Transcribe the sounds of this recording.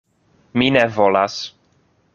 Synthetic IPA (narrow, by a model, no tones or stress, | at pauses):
minɛvolas